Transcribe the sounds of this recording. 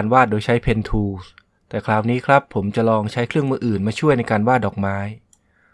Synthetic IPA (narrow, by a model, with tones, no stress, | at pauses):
nwaː˥˩t̪̚doː˧jt͡ɕʰa˦˥jpʰe˧nt̪ʰuː˧s | t̪ɛː˨˩kʰlaː˨˩wniː˦˥kʰɾa˦˥pʰːo˩˦mt͡ɕa˨˩ʔlɔː˧ŋt͡ɕʰa˦˥jkʰɾɯ˥˩əŋmɯ˧˥˩ʔɯː˨˩nmaː˧t͡ɕʰu˥˩əjna˧jkaː˧nwaː˥˩t̪̚dɔː˨˩k̚maː˦˥j